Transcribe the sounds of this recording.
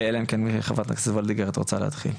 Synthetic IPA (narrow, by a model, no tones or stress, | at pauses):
elaemkenmiʃeχavat̪naksevold̪iɡeʁat̪ʁot͡sa̰lḛha̰t̪χḭl